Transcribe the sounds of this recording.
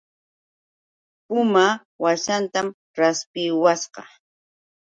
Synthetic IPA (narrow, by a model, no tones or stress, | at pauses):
pʊma | waʃant̪am | ɾaspɪwasqɑ̰